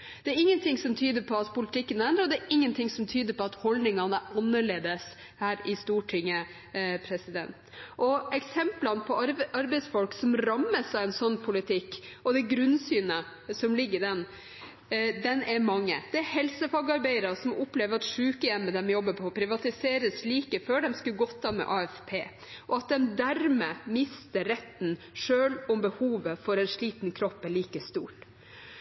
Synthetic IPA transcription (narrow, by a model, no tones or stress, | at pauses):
d̪̥ɛæɾɪŋːənt̪ʰɪŋsɔmt̪ʰyːd̪əpʰɔɑt̪pʰʊlɪt̪ɪkːənæɛnd̪ɾəɔd̪ɛæɾɪŋːənt̪ʰɪŋsɔmt̪ʰyːd̪əɾpɔɑt̪hɔld̪nɪŋɑnəɑnːəɭeːd̪əs | hæːɾɪst̪uːʈʰɪŋːə | pʰɾɛsɪd̪ɛ̰nt̪ʔɔɛksɛmplɑnəpʰɔɑɾbɛɪsfɔlksɔmɾɑmːəsɑʋɛnsɔnːpʰʊlɪt̪ʰɪkːɔd̪ɛɡɾʉnsyːnə | sɔmlɪɡːəɖ̪ɛn | d̪ɛnʔɛɾmɑŋːəd̪̥ɛæɾhɛlsəfɑːɡɑɾbæɪəɾɑsɔmʊpleːʋəɾɑt̪ʂʉːkəjɛmːəd̪ɛmjɔbːəpʰɔpʰɾɪʋɑt̪ɪseːɾəsliːkəføːɖɛmskʉɡɔt̪ʰːɑmɛ̰ʔɑːɛfpʰeː | ʔɔɑt̪̚d̪ɛmd̪æɾmeːmɪst̪əɾɛt̪ːn | ʂøːlʊmbəhuːʋəfɔɾɛnʂɭiːt̪nkʰɾɔpːɛɭiːkəst̪uːʈ